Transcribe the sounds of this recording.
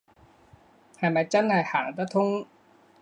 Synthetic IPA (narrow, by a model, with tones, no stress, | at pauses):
ha˨˩ma˨˦t͡ɕa˦˥nhaː˨˩haː˨˩˦ŋt̪a˦˥t̪ʰo˦˥ŋ